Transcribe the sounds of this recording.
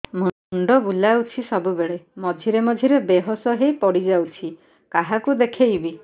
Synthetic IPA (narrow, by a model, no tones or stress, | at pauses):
mu | ɳɖɔbulawt͡ʃʰisɔbubeɭemɔd͡ʒʱiɾemɔd͡ʒʱiɾebeɦɔsɔɦejpɔɽid͡ʒawt͡ʃʰi | kaɦakud̪ekʰejbi